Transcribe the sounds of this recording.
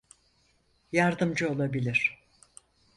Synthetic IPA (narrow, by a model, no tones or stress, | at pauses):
jaɾd̪ɯmd͡ʒɯolˠabilʲiɾ̥